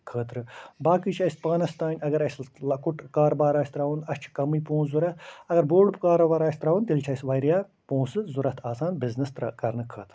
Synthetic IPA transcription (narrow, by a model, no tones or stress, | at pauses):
kʰəːt̪ɾɨbaːkit͡ʃʰɐspaːnɐst̪aːnʲɐɡɐɾɐjslɐkuʈkaːɾbaːɾaːsʲt̪ɾaːunɐst͡ʃʰi̥kɐmiːpõːnzuɾɐt̪ɐɡɐɾboːɖbkaːɾbaːɾaːsʲt̪ɾaʋunt̪ilʲt͡ʃʰɐjsʋɐjɾjaː | põːsɨzuɾɐt̪ʰaːsaːnbiznɐst̪ɾkɐɾnɨkʰəːt̪ɾɨ